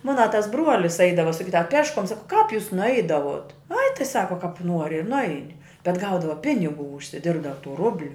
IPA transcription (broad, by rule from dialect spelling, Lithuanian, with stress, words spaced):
ˈmoːnɐ tɐs ˈbruɔlʲɪs ˈɐɪdɐʋɐ sɐˈkʲiːdɐʋɐ ɐ ˈpʲæːʃkuɔm ˈsɑːkoː kɑːp juːs nʊˈɐɪdɐʋuɔt ɐɪ tɐɪ ˈsɑːkoː kɑːp ˈnuɔrʲɪ ɪr nʊˈɐɪnʲɪ bʲɛt ˈɡɐʊdɐʋɐ ˈpʲɪnʲɪˌɡuː ʊʃʲsʲɪˈdʲɪrbdɐʋɐ tuː ˈrʊbʲlʲʊ